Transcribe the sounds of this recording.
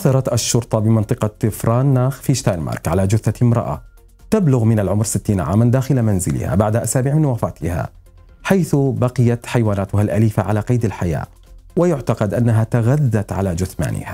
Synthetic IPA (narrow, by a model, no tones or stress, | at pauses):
ʔaθɑɾˤɑt̪ʔaʃːʊɾt̪ˤɑbɪmɑnt̪ˤɨqɑt̪ːɪfɾˤɑːnːaːxfiʃt̪ajnmɑ̰ːɾˤkʕalad͡ʒʊθːaɪmɾˤɑ̰ʔa̰ | t̪ablʊɣmɪnalʕʊmɾsɪt̪ːiːnaʕa̰ːmand̪aːxɪlamanzɪlɪ̰ha̰baʕd̪aʔasaːbɪʕmɪnwaːfaːt̪ʰɪha̰ | ħajθʊbɑqɪjat̪ħajwaːnaːt̪ʊhalʔaliːfaʕalaqɑjd̪alħaja̰ː | wɪjʊʕt̪aqɑd̪ʔanːaɦat̪aɣaðːat̪ʕa̰lad͡ʒʊθma̰ːnɪ̰hḁ